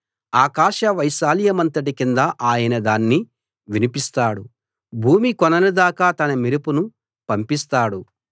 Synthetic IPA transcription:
aːkaːʃɐʋɐjʃaːlijɐmɐnt̪ɐʈikind̪ɐʔaːjɐnɐd̪aːnːi | ʋinipist̪aːɽu | bʱuːmikɔnɐlud̪aːkaːt̪ɐnɐmiɾupunu | pɐmpist̪aːɽu

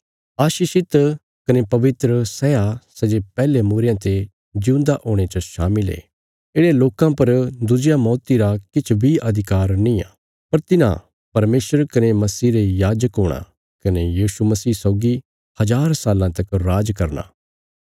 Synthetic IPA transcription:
aːʃiːʃɪt̪ | kɐnepɐʋɪt̪ɾəsɛjasɛd͡ʒepɛːlemuːɾejãt̪e | d͡ʒɪũːnd̪aʔoːɽ̃et͡ʃəʃaːmɪlḛː | ɪɽeloːkãpɐɾd̪ʊd͡ʒjamɔːt̪iɾakɪt͡ʃʰbʱiʔɐd̪ʱɪkaːɾnĩã̰ː | pɐɾt̪ɪnã̰ | pɐɾmeːsəɾkɐnemɐsiːɾejaːd͡ʒəkɦoːɽ̃a̰ | kɐnejiːsumɐsiːsɔːɡi | hɐd͡ʒaːɾsaːlãt̪ɐkɾaːd͡ʒkɐɾna̰ː

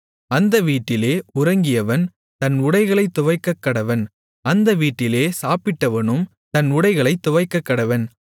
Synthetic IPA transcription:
ɐnd̪ɐʋiːʈːɪleːʊɾɐŋɡɪjɐʋɐn | t̪ɐnʊɽɐɪɣɐɭɐɪt̪ːʊʋɐɪkːɐkːɐɽɐʋɐn | ɐnd̪ɐʋiːʈːɪleːsaːpɪʈːɐʋɐnɯm | t̪ɐnʊɽɐɪɣɐɭɐɪt̪ːʊʋɐɪkːɐkːɐɽɐʋɐn

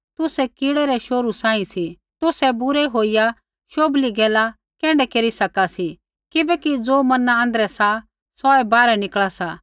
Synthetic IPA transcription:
t̪ʊsɛkɪɽɛɾɛʃoːɾusãːĩsi | t̪ʊsɛbʊɾɛɦoːija | ʃoːbliɡɛːla | kɛ̃ːɳɖɛkeːɾisɐkasi | kɪbɛːkid͡zoːmɐnaãːnd̪əɾɛsa | sɔɛbaːɾɛnɪkɭasa

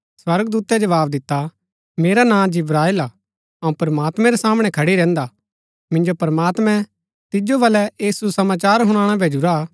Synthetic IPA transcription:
swɐɾɡd̪uːt̪ɛd͡ʒɐʋaːbd̪ɪt̪ːa | meːɾanãːd͡ʒɪbɾaːɪlaː | ɐũpɐɾɐmaːt̪mɛ̃ɾɛsaːmɽ̃ɛ̃kʰɐɽiɾɛ̃ːnd̪a | mɪ̃nd͡ʒopɐɾəmaːt̪mɛ̃ | t̪ɪd͡ʒoʋɐlɛjeːsusɐmaːt͡ʃaːɾɦʊ̃ɽ̃ãːɽ̃abʱeːd͡ʒuɾa

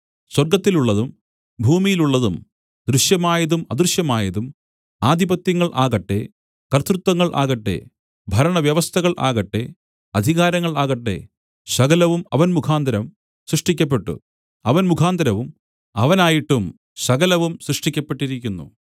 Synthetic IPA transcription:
swɐrɡɐt̪ːiluɭːɐðum | bʱuːmijiluɭːɐðum | d̪ɾuɕjɐmaːjɐðumɐd̪ruɕjɐmaːjɐðum | aːd̪ʱibɐt̪jɐŋːɐɭʔa̰ːɣɐʈːe̞̰ | kɐrt̪ɾut̪wɐŋːɐɭʔa̰ːɣɐʈːe̞̰ | bʱɐɾɐɳɐʋjɐʋɐst̪ʰɐɣɐɭʔa̰ːɣɐʈːe̞̰ | ɐd̪ʱiɣaːɾɐŋːɐɭaːɣɐʈːe̞̰ | ɕɐɣɐlɐʋumɐ̰ʋɐnmukʰaːnd̪ɐɾɐm | srɨʂʈikʲːɐp̬ːe̞ʈːṵ | ɐʋɐnmukʰaːnd̪ɐɾɐʋum | ɐʋɐnaːjiʈːum | ɕɐɣɐlɐʋumsrɨʂʈikʲːɐpːeʈːiɾikʲːunːṵ

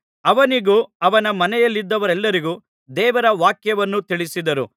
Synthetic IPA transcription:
ɐʋɐniɡuːɐʋɐnɐmɐnɛjɐlːid̪ːɐʋɐɾɛlːɐɾiɡuː | d̪ɛːʋɐɾɐʋaːkjɐʋɐnːut̪iɭisid̪ɐɾu

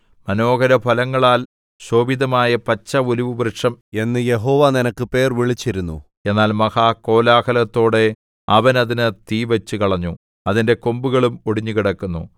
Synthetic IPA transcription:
mɐno̞ːɡɐɾɐbʱɐlɐŋːɐɭaːl | ɕo̞ːbiðɐmaːjɐpɐt͡ɕːɐoliʋubrɨʂɐme̞nːɨje̞ɦoːʋaninɐkːɨpe̞ːrʋiɭit͡ɕːiɾunːṵ | e̞nːaːlmɐhaːko̞ːlaːkɐlɐt̪ːo̞ːɽe̞ | ɐʋɐnɐðinɨt̪iːʋɐt͡ɕːukɐɭɐɲːu | ɐðinde̞kombuɣɐɭumoɽiɲːukiɽɐkːunːṵ

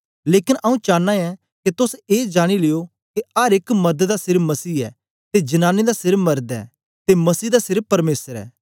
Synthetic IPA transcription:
leːkɪnʔɐũt͡ʃaːnːãɛ | ket̪ʊseːd͡ʒaːɽ̃ileːo | keɐɾɪkmɐɾd̪d̪asɪɾmɐsiːɛ̰ː | t̪ed͡ʒɐnaːnid̪asɪɾmɐɾd̪ɛ̰ː | t̪emɐsiːd̪asɪɾpɐɾmeːsəɾɛ̰ː

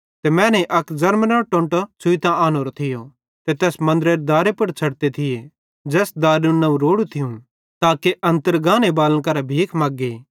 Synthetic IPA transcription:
t̪emɛ̃ːneʔɐkd͡ʒɐɾmnɐʈõːɳʈt͡sʰʊit̪ãaːnoːɾot̪ʰɪjo | t̪et̪ɛːsmɐ̃nd̪ɾeɾd̪aːɾepɐɽt͡ʃʰɐɽt̪et̪ʰɪje | d͡ʒɛːsd̪aːɾũnɐũɾoːɽut̪ʰɪjũ | t̪aːkeʔɐ̃nt̪əɾɡãːnebaːlənkɐɾabʱiːkʰmaːɡːeː

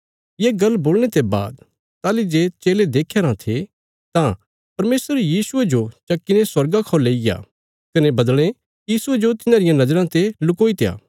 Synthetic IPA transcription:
jeːɡɐlboːlñet̪eba̰ːd̪ | t̪aːlid͡ʒeːt͡ʃeːled̪eːkʰeɾãt̪ʰe | t̪ã | pɐɾmeːsəɾjiːsʊed͡ʒot͡ʃɐkːineswɐɾɡakʰɔːleːɪɡa̰ː | kɐnebɐd̪ɽ̃e | jjiːsʊed͡ʒot̪ɪnãɾɪjãnɐd͡ʒɾãt̪elʊkoːit̪eja̰ː

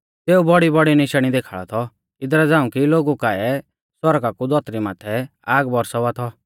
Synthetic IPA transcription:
t̪eːubɔɽibɔɽinɪʃɽ̃id̪eːkʰaːɭɔ̰t̪ʰɔ | ɪd̪ɾɛd͡zãːũkiloːɡukaɛ | swɔɾɡakud̪ɔt̪ɾimaːt̪ʰɛaːɡbɔɾsɔʋat̪ʰɔ

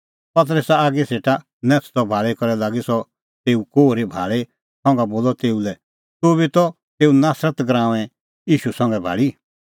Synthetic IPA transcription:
pɐt̪̬ɾəsɛaːɡeseːʈa | nɛ̃ːt͡sʰt̪ɔbʱaːɭekɔɾɛlaːɡisɔ | t̪eːukoːɾebʱa̰ːɭe | sɔ̃ŋɡaboːlɔt̪eːulɛ | t̪ubit̪ɔ | t̪eːunaːsɾət̪ɡɾãːʋɛ̃ | iːʃusɐ̃ŋɡɛbʱa̰ːɭi

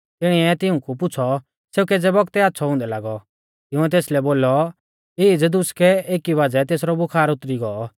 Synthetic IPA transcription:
t̪ɪɽ̃iɛt̪ɪũkupʊt͡sʰɔ | seːukɛd͡zɛbɔɡt̪ɛaːt̪ːsʰɔɦʊ̃nd̪ɛla̰ːɡɔ | t̪ɪʊ̃ɛt̪eːslɛboːlɔ | ɪd͡zd̪ʊskɛeːkiʋaːd͡zɛt̪eːsɾɔbʊkʰaːɾʊt̪ɾiɡɔɔ

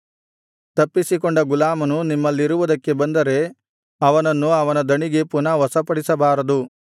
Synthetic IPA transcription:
t̪ɐpːisikoɳɖɐɡulaːmɐnunimːɐlːiɾuʋud̪ɐkːe̞bɐnd̪ɐɾe̞ | ɐʋɐnɐnːuɐʋɐnɐd̪ɐɳiɡe̞punɐʋɐsɐpɐɽisɐbaːɾɐd̪u

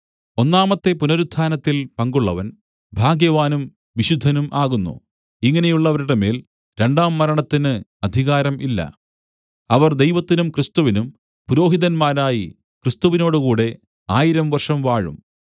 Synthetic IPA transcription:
o̞nːaːmɐt̪ːe̞punɐɾud̪ʱːaːnɐt̪ːilpɐŋɡuɭːɐʋɐn | bʱaːɡjɐʋaːnum | ʋiɕud̪ʱːɐnumʔaːɣunːṵ | iŋːɐne̞juɭːɐʋɐɾiɽeme̞ːl | ɾe̞ɳɖaːmːɐɾɐɳɐt̪ːinɨɐd̪ʱiɣaːɾɐmʔilːɐ̰ | ɐʋɐrd̪e̞jʋɐt̪ːinumkrist̪uʋinum | puɾo̞ːɦiðɐnmaːɾaːji | krist̪uʋino̞ːɽukuːɽe̞ | aːjiɾɐmʋɐrʂɐmʋaːɻṵm

